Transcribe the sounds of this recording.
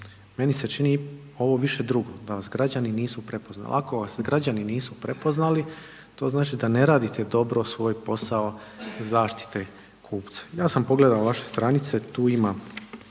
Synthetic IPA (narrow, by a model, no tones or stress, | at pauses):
me̞niset͡ʃini | o̞ʋo̞ʋiʃe̞d̪ɾuɡo̞d̪aʋasɡɾad͡ʑaniniːsupɾe̞po̞zna̰l̰ako̞ʋasɡɾad͡ʑaniniːsupɾe̞po̞znali | t̪o̞ːznaːt͡ʃid̪ane̞ɾaːd̪it̪ed̪o̞bɾo̞sʋo̞ːjpo̞sao̞zaːʃt̪i̥t̪e | kʰuːpt̪sḁjaːsampo̞ɡle̞d̪aoʋaʃe̞st̪ɾanit̪se̞t̪uːima